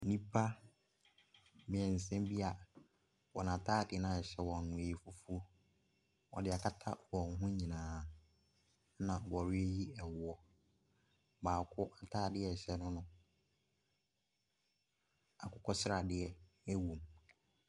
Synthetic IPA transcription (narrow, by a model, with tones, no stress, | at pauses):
nĩ˦pʰa˦ | mɪ̃˨ɛ̃˨n̩˨sɛ̃˦mbi˦a˨ | wɔ˨nã˨tʰaː˦˨dɪ˨nã˨ɛ˨ɕɛ˦˨wɔ̃˨nː˨ʊ̃˨e˨i˨fʊ˦fu˦ | ɔ̰˨dɪ˨a˨kʰa˦tʰa̰˦wɔ̃˨ŋ˨ɦʊ̃˦ɲĩ˨nãː˨˦ | nã˨wɔ˨ɾɪ˦e˦ji˦ɛ˨wɔ˦ | baː˨kʰʊ˦ʔa˨tʰaː˦˨dɪ˦ɛ˨ɕɛ˦nʊ̃˦nʊ̃˦ | a˨kʰʊ˨˦kʰɔ˦sɪ˦ɾa˨dɪ˦ɛ˦ | ɛ˦wũ˨m